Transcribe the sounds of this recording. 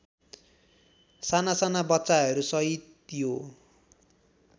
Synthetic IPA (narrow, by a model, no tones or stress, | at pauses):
sanasanabʌt̪saɦʌɾusʌit̪jo